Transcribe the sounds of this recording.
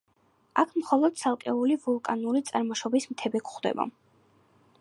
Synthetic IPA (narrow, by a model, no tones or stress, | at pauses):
akʰmχɔlˠɔd̪̥̚tsʰalˠkʼɛulivulˠkʼanulit̪sʼaɾmɔʃɔbismt̪ʰɛbɛkʰχd̪ɛ̰ba̰